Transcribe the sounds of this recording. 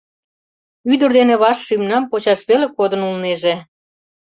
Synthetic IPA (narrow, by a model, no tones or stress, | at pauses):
yd̪ərd̪enĕβɑʃːymnɑmpot͡ɕɑʃβelekod̪ənulneʒe